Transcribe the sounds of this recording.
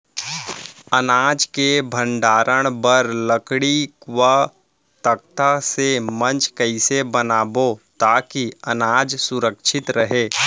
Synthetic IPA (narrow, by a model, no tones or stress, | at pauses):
ɐnaːd͡ʒkebʱə̃ɳɖaːɾʔəɽ̃bəɾləkɽikwa | t̪ək̚t̪asemɐ̃nt͡ʃkɐɪsebɐnaːbot̪aːkiɐnaːd͡ʒsʊɾəkʃɪt̪ɾəɦeː